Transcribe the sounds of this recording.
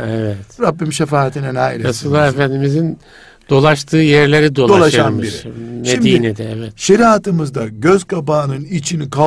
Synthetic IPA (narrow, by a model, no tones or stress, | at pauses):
ɛvɛt̪ɾabːimʃefaːt̪ʰinɛnajiɾeasɯlˠːaefænd̪imizin | d̪̥o̞lˠaʃt̪ʰɯːjæɾlʲeɾid̪olo̞laʃaʃanmbiʃmʃeid̪iːinɛd̪ɛɛvɛt̪ʃeɾiat̪ɯmɯzd̪aɟøzkabaːnɯnit͡ʃʰinikʰa